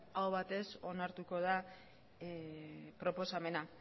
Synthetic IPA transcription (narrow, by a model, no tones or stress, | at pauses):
awβat̪e̞so̞naɾt̪uko̞ð̞a | pɾo̞po̞same̞na